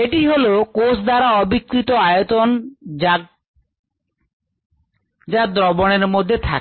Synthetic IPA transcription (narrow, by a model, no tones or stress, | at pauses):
eʈiɦolokosʰd̪aɾaɔbikːɾit̪oajot̪ona | d͡ʑad̪ɾɔboneɾmod̪ʱːet̪ʰa̰k